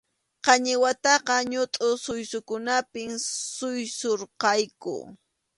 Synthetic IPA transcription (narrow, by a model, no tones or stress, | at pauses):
qɑɲɪwat̪ɑqɑɲʊt̪ʼʊsʊjsʊkʊnapɪŋsʊjsoɾqɑjkʊ̰